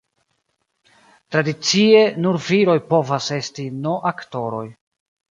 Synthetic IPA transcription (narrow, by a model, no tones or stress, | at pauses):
tɾadit͡sie̞nuɾviɾo̞jpo̞vase̞stino̞ʔakto̞ɾo̞̰j